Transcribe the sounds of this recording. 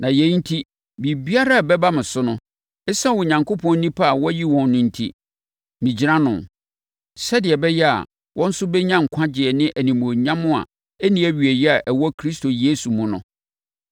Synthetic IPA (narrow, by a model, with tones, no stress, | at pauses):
nã˨jɛ˨˦n̩˦tʰi˦ | bi˨bi˦a˦ɾa˦˨bɛ˦ba˦mɪ̃˨sʊ˦nʊ̃˦ | ɛ˦sã˦wʊ˨ɲã˨ŋko˦pʰɔ̃˦n˦nĩ˦pʰa˦a˨wɔ˦ji˦wɔ̃˨nːʊ̃˨n̩˨tʰḭ˦ | mĩ˨d͡ʑi˦ɾã˦nʊ̃˨n | sɛ˦dɪ˨ɛ˨bɛ˦jɛ˦a̰˨ | wʔɔ̃˦n̩˦sʊ˦bɛ˦ɲã˦ŋ̩˨kʷʰã˦d͡ʑɪ˨ɛ˨nɪ̃˦ʔæ˨nĩ˨mõ˨ɲã˦mʊ̃˦a̰˨ | æ˦nĩ˦æ˦ɥi˨æ˨jɛ˦a˨ʔæ˨wɔ˦kʰɾi˦stʰo˨jeː˦su˨mʊ̃˦nʊ̰̃˨